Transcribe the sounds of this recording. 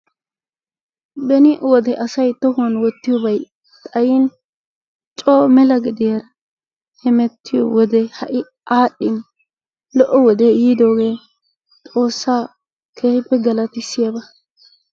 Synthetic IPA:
bɛnɪʔwɔd̪ɛʔɐsɐjt̪ɔhʊɔnwɔt̪ːɪjɔbɐj | t̪ʼɐjɪn | t͡ʃʼoːmɛlɐɡɪd̪ɪjɐɾɐ | hɛmɛt̪ːɪjɔ̰wɔd̪ɛhɐʔɪ | ʔaːɗːɪn | lɔʔːɔwɔd̪ɛjiːd̪o̞ːɡe̞ː | t̪ʼo̞ːsːaː | kʰeːhɪpːɛɡɐlɐt̪ɪsːɪjabɐ

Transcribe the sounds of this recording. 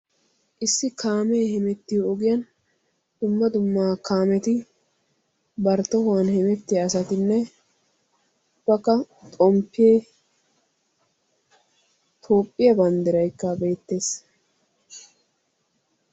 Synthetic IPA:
ʔɪsːɪkʰaːmeːhɛmɛt̪ːɪɔɡɪjɐn | d̪̥ʊmːɐd̪ʊmːaːkʰaːmɛt̪ɪ | bɐɾt̪ːɔhʊwɐnhɛmɛt̪ːɪɐsɐt̪ɪnːɛ | ʊbːɐkːɐ | t̪ʼɔmpːɪjeː | t̪ʰo̞ːpʼːɪjɐbɐnd̪ɪɾɐjkːɐbe̞ːt̪ːe̞ːs

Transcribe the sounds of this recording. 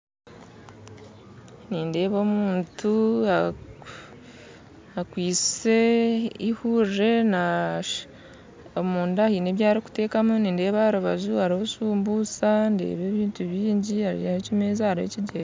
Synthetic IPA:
niːnde̞ːβo̞ːmuːntʰua | akwiːt͡se̞ihure̞na | omuːndahineβjaːɾiku̥te̞ːkamuniːnde̞ːβaaɾuβazuaɾihosuːmbuːt͡sandḛːβe̞ːβiːntuβiːɲɟiaɾḭahecimeːzahaɾḛciɟeɾ

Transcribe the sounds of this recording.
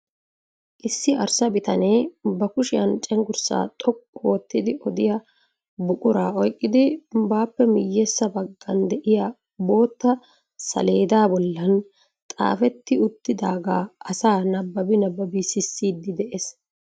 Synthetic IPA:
ʔɪsːɪʔɐɾsɐbɪt̪ɐneːbɐkʊʃɪjɐnt͡ʃʼɛŋɡʊɾsa̰ːt̪ʼɔkʼːoːt̪ːɪd̪ɪʔɔd̪ɪjɐ | bʊkʼʊɾaːɔjkʼːɪd̪ɪbaːpːɛmɪjːesːɐbɐɡːɐnd̪ɛʔɪja | bo̞ːt̪ːɐ | sɐ̰le̞ːd̪aːbɔlːɐn | t̪ʼa̰ːfɛt̪ːɪʊt̪ːɪd̪aːɡaːɐsaːnɐbːɐbɪnɐbːɐbisɪsːiːd̪ːɪd̪ɛʔes

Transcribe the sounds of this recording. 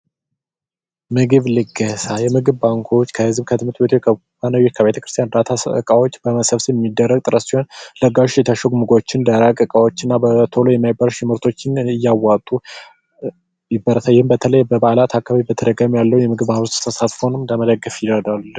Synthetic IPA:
mɨɡɨβlɨɡəsajɛmɨɡɨβbaŋkʰo̞t͡ʃːkʰəhɨzbkʰət̪ʰɨmɨt̪ʼbet̪ʰokʰə | banajːot͡ʃkʰəbet̪ʰəkɾɨst̪jand̪at̪ʰasɨkʼawo̞t͡ʃːbəməsəβsiɛmːid̪ːərːəɡ̚t̪ʼɨɾəsihonləɡaʃjɛt̪ʰaʃəɡmuɡo̞t͡ʃːɪnd̪əɾakʼɨkʼawo̞t͡ʃːɨnːabət̪ʰo̞lojɛmːajbːəɾʃɪmɨɾt̪ʰo̞t͡ʃːɪnɪjːawːat̪ʼːu | jɪbːəɾət̪ʰajɪhɨmbət̪ʰələjbəbalat̪ʰakːaβaβibət̪ʰəd̪əɡamujalːəujɛmɨɡɨβmahβɾust̪t̪ʰəsat̪fonɨmləməd̪əɡːəfjɪəd̪aluɨ

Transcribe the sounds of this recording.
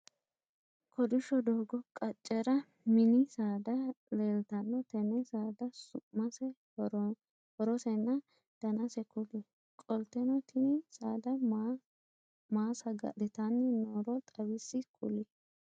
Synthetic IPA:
kʰɔd̪ɪʃːɔd̪oːɡɔkʼɐt͡ʃʼːɛɾɐ | mɪnɪsaːd̪ɐleːlt̪ɐnːɔt̪ɛnɛsaːd̪ɐsʊmɐsɛ | hɔɾɔsɛnːɐ | d̪̥ɐnɐsɛkʼʊlɛ | kʼɔlt̪ɛnɔt̪ʰɪnɪsaːd̪ɐ | maːsɐɡɐ̰d̪ɪt̪ɐnːɪnoːɾɔt̪ʼɐbɪsːɪkʼʊ̰lɪ

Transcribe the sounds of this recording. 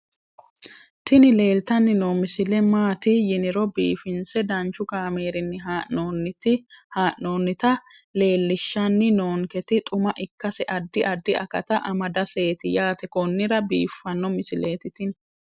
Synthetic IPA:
t̪ɪnɪle̞ːlt̪ɐnːɪnoːmɪsɪlɛmaːt̪ɪjɪnɪɾɔbḭːfɪnsɛd̪ɐnt͡ʃːʊkaːme̞ːɾɪnːɪɦaːʔoːnːɪt̪ɪhaːʔoːnːɪt̪ɐ | le̞ːlːɪʃːɐnːɪnoːŋkɛt̪ɪt̪ʼʊmɐʔɪkːɐsɛʔɐd̪ːɪʔɐd̪ːɪʔɐ̰kɐ̰t̪ɐʔɐmɐd̪ɐse̞ːt̪ɪjaːt̪ɛkɔnːɪɾɐbḭːfːɐnːɔmɪsɪle̞ːt̪ɪt̪ɪn

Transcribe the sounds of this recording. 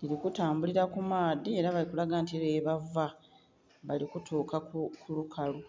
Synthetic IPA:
liɾikutaːmbuliɾakumaːd̪ieɾaβalikulaɡaːntieɾeːβava | βalikutʰoːkakʰulukʰalu

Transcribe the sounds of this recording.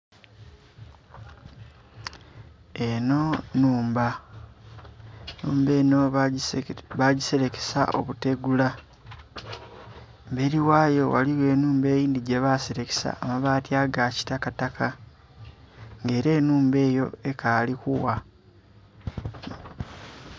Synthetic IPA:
eno̞nuːmba | nuːmbeːno | βaɟise̞ɾeke̥sa̰ʔo̞̰βute̞ɡula | mbeɾiwaːjo̞wa̰liwe̞ːnuːmbe̞ːjiːndiɟeβase̞ɾeke̥sa̰ːmaβaːtiaɡaci̥takatakʰa | ŋɡe̞ːɾe̞ːnuːmbe̞ːjo̞e̞kalikṵwa

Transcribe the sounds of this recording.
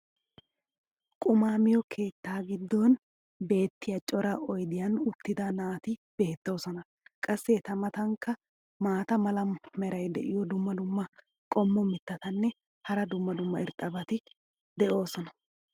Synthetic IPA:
kʼʊmaːmɪjɔkʰe̞ːt̪ːaːɡɪd̪ːon | be̞ːt̪ːɪjɐt͡ʃʼɔɾɐʔɔjd̪ɪjɐnʊt̪ːɪd̪ɐnaːt̪ɪb̥e̞ːt̪ːo̞ːsɔnɐ | kʼɐsːɛt̪ɐmɐt̪ɐŋkːɐ | maːt̪ɐmɐlɐmːɛɾɐjd̪ɛ̰ʔɪjɔd̪ʊmːɐd̪ʊmːɐ | kʼɔmːɔmɪt̪ːɐt̪ɐnːɛ | hɐɾɐd̪ʊmːɐd̪ʊmːɐɪɾt̪ʼːɐbɐt̪ɪ | d̪ɛʔo̞ːsɔnɐ

